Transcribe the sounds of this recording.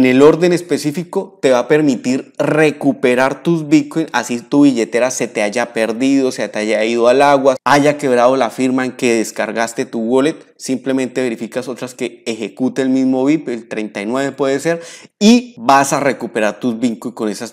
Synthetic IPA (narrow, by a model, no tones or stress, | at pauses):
ene̞lo̞ɾd̪e̞ne̞spe̞sifiko̞t̪e̞βape̞ɾmit̪iɾre̞kupe̞ɾaɾt̪uzbit̪̚kojnasit̪uβiʝe̞t̪e̞ɾase̞t̪eaʝape̞ɾd̪iðoseat̪eaʝaiðoalaɣwaaʝake̞β̞ɾaðo̞lafiɾmaeŋke̞ðe̞skaɾɣast̪et̪uɣolet̪simple̞mẽ̞nt̪e̞βe̞ɾifikaso̞t̪ɾaske̞ːxe̞kut̪eːlmizmo̞βipelt̪ɾe̞jnt̪ajnwe̞βe̞pwe̞ðese̞ɾibasare̞kupe̞ɾaɾt̪uzbiŋkojko̞ne̞sas